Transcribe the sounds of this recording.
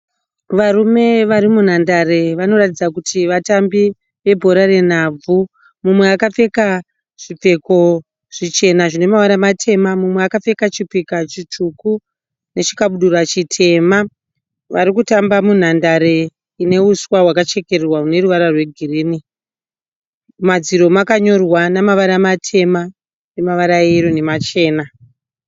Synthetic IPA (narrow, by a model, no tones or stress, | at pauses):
ʋaɾume̞ʋaɾimun̤andare̞ʋano̞ratid͡zakutʰiʋatambi | ʋe̞bʱo̞ɾare̞n̤ab͡vu | mumwe̞akap͡fe̞ka | ʐ̥ip͡fe̞ko̞ | ʐ̥it͡ʃe̞naʐine̞mawanamatʰe̞mamumweakafe̞kat͡ʃipikat͡ʃituku | ne̞t͡ʃi̥kaɓuɗurat͡ʃitʰe̞ma | ʋaɾikutambamun̤andaɾe̞ | ine̞uswawakat͡ʃe̞ke̞rrwaune̞ruʋaɾarwe̞ɡʱiriːni | mad͡ziɾo̞makaɲo̞rwanamaʋaɾamatʰe̞ma | ne̞maʋaɾaiɾone̞mat͡ʃe̞ːna